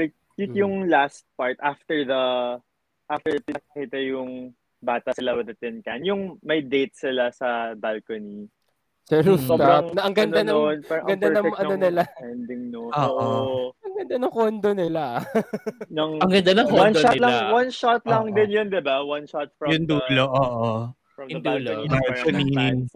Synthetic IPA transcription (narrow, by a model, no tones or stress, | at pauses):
ɪ | pit̪jʊŋlast̪̚paɹt̪aft̪ɛɹðɐ | ʔaft̪ɛɹpɪnɐkɐkiːt̪ɐjʊŋ | baːt̪ɐsɪlawɪd̪ɐt̪ɛnkanjʊŋmɐjd̪ejt̪̚sɪlasɐbalkɐni | sɛɾussobɾɐŋnɐʔɐŋɡɐnd̪anɐonpɛɡɐnd̪anɐɛɐnonɪlaɛnd̪ɪŋnooːʔoɐŋɡɐnd̪anɐŋkond̪onɪla | nɐŋɐŋɡɐnd̪anɐŋkowɐnd̪ʃoat̪lɐŋwɐnʃat̪lɐŋd̪ɪnjond̪ɪbawɐnʃat̪̚fɹɐjʊnd̪uːloʔoːʔo | ɐmɐnulalkoni